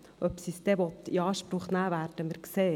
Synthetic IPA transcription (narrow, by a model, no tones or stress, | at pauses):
œpsist̪ɛʋɔt̪ːḭɑːʃpɾʊχnæːʋæːɾdəməɾkseː